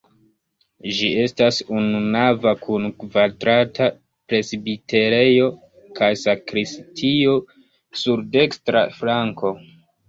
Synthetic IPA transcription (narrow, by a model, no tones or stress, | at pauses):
d͡ʒie̞stasununavakʰunkvadɾatʰa | pɾe̞sbite̞ɾe̞jo̞ | kajsakɾistʰio̞ | suɾde̞kstɾa̰flaŋko̞